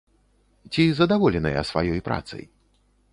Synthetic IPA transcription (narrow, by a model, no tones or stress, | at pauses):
t͡sʲizɐd̪avɔlʲɛnɐjɐ̰sva̰jɔjpɾa̰t̪sɨ̰j